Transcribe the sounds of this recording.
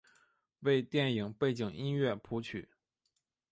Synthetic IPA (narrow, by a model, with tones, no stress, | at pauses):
we˥˧ɪt̪jɛ˥˩ni˨˩ŋpe˥˩ɪt͡ɕi˨˩ŋi˥nɥɛ˥˩pʰu˧˥t͡ɕʰy̰˨˩˦